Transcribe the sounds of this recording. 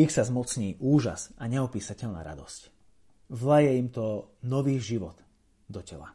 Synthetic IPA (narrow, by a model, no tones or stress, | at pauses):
ixsazmɔt͡sɲiːʔuːʒa̰saɲɛɔpiːsacɛʎna̰ːɾa̰d̪ɔsc | zlajɛimt̪ɔnɔʋiːɣʒiʋɔd̪̥ | d̪ɔcɛla̰